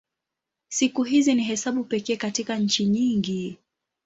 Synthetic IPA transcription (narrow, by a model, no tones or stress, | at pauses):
sikuɦiziniɦɛsaɓupɛkɛːkatikaɲ̩t͡ʃiɲiŋɡi